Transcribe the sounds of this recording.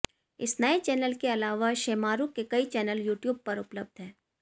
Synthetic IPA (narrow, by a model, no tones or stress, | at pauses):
ɪsnɐet͡ʃɛːnəlkeɐlaːʋaʃeːmaːɾukekɐit͡ʃɛːnəljuːʈjuːb̚pɐɾʊpləb̚d̪ʱɦɛː